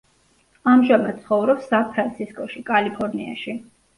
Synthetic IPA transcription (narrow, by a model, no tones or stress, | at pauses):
amʒamat̪t̪sʰχɔvɾɔpsapʰɾant̪sʰiskʼɔʃikʼalipʰɔɾnia̰ʃi